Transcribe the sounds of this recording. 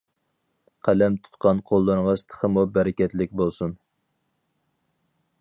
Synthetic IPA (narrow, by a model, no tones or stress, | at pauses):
qʰælɛmt̪ʰu̥t̪qʰɑnqʰolˠːɨɾʁɑsɨ̥t̪ʰə̥χʰəmubæɾɪkʲɛt̪lɪk̚ʲbolˠsun